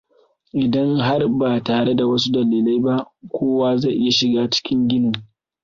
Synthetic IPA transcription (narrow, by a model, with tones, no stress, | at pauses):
ʔɪ˨dɐ˦ŋɦa˦rbaː˨taː˨ɽe˦da˨wɐ˦s̬u˦dɐ˨liː˨la˦jba˦ʔkʷoː˦waː˦za˦˨jʔɪ˦ja˨ʃɪ˨ɡaː˦t͡ʃɪ̥˦kʲʰɪ˦ŋɡʲɪ˦noː˨